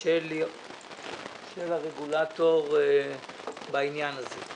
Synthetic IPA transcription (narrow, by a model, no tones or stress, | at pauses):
el | ʃelaʁeɡulatoʁ | bainjanaze